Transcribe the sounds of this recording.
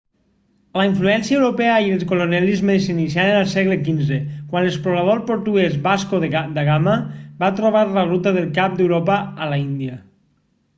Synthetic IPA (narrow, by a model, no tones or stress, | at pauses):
laiɱfluɛnsiəewɾopɛəieəlˠskolonɛlizmesinisjaɾenəlˠsɛɣlekinzekwanlespɾolaðoɾpoɾt̪uɛzβaskoðd̪aɣamabat̪ɾoβ̞aɾlaɣut̪aðelˠkap̚d̪ewɾopaːlaind̪iə